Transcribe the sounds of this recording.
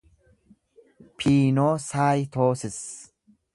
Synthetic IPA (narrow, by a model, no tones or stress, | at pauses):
pʰiːnoːsaːjt̪ʰo̞ːsɪs